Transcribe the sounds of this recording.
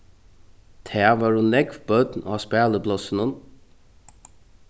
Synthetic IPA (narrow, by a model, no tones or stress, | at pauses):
t̪ʰæːʋɑːɹʉnlɛɡʋbœd̪n̩ʔɑːspæːləblɔsənən